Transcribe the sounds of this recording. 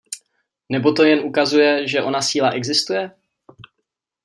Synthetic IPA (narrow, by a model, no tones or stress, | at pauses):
nɛbo̞t̪o̞jɛnʔukazujɛʒɛʔo̞nasiːlaʔɛɡzɪst̪ujɛ